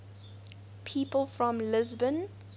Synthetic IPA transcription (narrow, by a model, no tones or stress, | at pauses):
pʰiːpəlˠfɹɔ̃mlɪzbə̃n